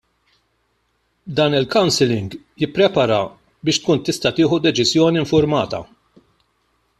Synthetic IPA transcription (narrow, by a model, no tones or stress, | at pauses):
d̪ɐːnɪlkɐwnsɪlɪŋɡ | jɪpːɾɛpɐɾɐ | bɪːʃt̪̚kuːnt̪ɪst̪ɐt̪ɪːħud̪ɛt͡ʃɪzjɔːniɪɱfʊɾmɐːt̪ɐ̰